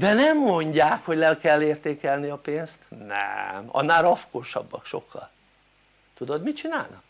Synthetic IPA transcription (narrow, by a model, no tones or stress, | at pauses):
d̪ɛnɛmːo̞ɲɟaːkho̞ɟlɛlkɛlːeːrt̪eːkɛlniɒpeːnst̪nɛ̰mɒ̰nːaːlɒfkoːʃɒ̰bːɒkʃo̞kːɒ̰l | t̪ud̪od̪mit͡ʃina̰ːlnɒk